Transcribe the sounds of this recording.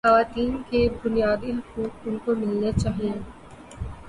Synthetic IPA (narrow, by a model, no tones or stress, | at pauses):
xɐʋaːt̪iːnkebʊnijaːd̪iɦɐkuːk̚ʊnkomɪlnet͡ʃaːɦijẽ